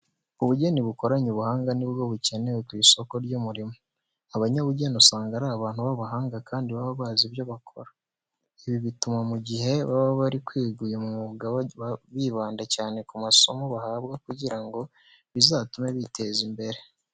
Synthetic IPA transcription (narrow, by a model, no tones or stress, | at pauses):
uβuɟeniβuko̞ɾaɲuβuhaːŋɡanibɡo̞βuce̞ne̞wekwiːso̞ko̞ɾɟumuɾimo | aβaɲaβuɟenusaːŋɡaɾaːβaːnhuβaβaɦaːŋɡakʰaːndiβaβaβaːzibjo̞βakʰo̞̰ɾa | iβiβitumamuɟihe̞βaβaβaɾikwiːɡujemumuɡaβiβaːndacaːne̞kumaso̞moβahaːβɡakuɟiɾaŋɡo̞ | βizaːtumeβite̞zimbe̞ɾe̞